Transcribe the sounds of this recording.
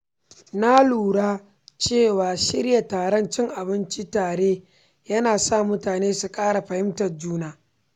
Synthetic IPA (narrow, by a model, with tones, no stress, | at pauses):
na˦luː˨ɽaː˦ | t͡ʃeː˦˨waː˨ʃɪ˦ɾja˨taː˨ɽɐ˦nt͡ʃɪ˦ŋʔa˨bɪ˦nt͡ʃi˦taː˨ɽeː˦ | jɐ˦naː˨sa˦˨mʊ˦taː˨neː˦su˨kʼaː˦ɽa˨ɸɐ˨hɪ˦mtɐ˨rd͡ʒuː˦naː˦